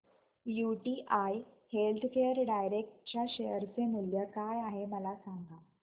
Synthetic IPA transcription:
juʈiːʔajhelt̪ʰkejəɾɖajɾek̚ʈ̚t͡ɕaɕejəɾt͡semuljəkajaɦeməlasaŋɡʱa

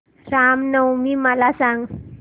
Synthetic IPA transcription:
ɾamnəwmimalasaŋ

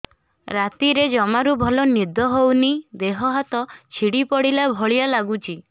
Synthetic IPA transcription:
ɾat̪iɾed͡ʒɔmaɾubʱɔlɔnid̪ʱɔɦownid̪eɦɔɦat̪ɔt͡ʃʰiɽipɔɽilabʱɔɭijalaɡut͡ʃʰi

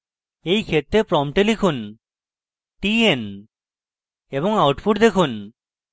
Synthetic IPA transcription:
ejkʰet̪ːɾepɾɔmʈelikʰun | ʈien | ebɔŋawʈfʰuʈd̪ekʰun

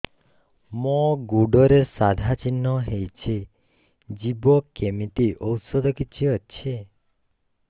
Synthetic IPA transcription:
moɡuɖɔɾesad̪ʱat͡ʃinːɔɦejt͡ʃʰe | d͡ʒibɔkemit̪iʔɔwsɔd̪ɔkit͡ʃʰiɔt͡ʃʰe

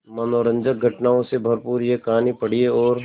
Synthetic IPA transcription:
mɐnoːɾə̃ɲd͡ʒək̚ɡʱɐʈnaːõsebʱɐɾpuːɾjekɐɦaːnipɐɽ̤ieɔːɾ

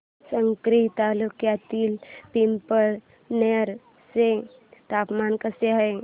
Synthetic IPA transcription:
səŋkɾit̪aːlukjat̪ilpimpəɾ | neɾ | sẽ | t̪aːpmaːnkəseɦəe

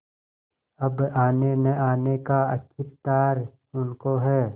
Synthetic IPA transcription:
ɐbaːneneaːnekaɐ̰kʰɪpt̪aːɾ | ʊnkoɦɛː

